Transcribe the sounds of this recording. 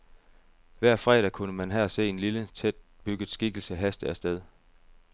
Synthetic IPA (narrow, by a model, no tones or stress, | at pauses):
ʋæɐ̰fʁɛ̰ːɾ̥ækʰunəmænɦææse̝̰ːe̝nlilət͡sʰed̥̚ | b̥yɡ̥ð̩ˠsɡ̥iɡ̥l̩səɦæsd̥əæsd̥eð̞ˠ